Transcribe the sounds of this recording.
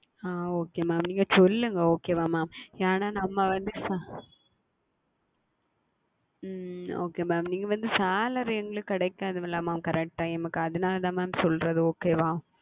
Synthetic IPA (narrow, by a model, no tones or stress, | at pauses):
aːoːkːeːmaːmniːŋɡɐsɔlːɯŋɡɐoːkeːʋãːmaːmaːnaːnɐmːɐʋɐnd̪ɯsa | oːkeːmaːmniːŋɡɐʋɐnd̪ɯsaːlɐɾɪjɐŋɡɐɭɯkːɐɽɐɪkːaːðɯmɪlːaːmaːmkɐɾɛk̚ʈaːɛmɐkːɯɐðɯnaːlðaːmaːmsɔlɾɐðɯoːkeːʋãː